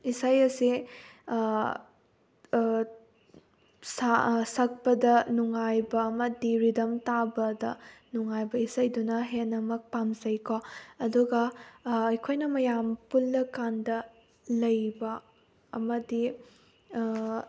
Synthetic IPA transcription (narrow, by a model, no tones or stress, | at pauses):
isajɐsi | sasɐk̚pɐdɐnuŋajbɐːmɐdiɾidɐmtabɐdɐnuŋajbɐisɐjdunɐɦenːɐmɐk̚pamzɐjkoɐduɡɐːjkʰojnɐmɐjampulːɐkandɐ | lɐjbɐ | ɐmɐdi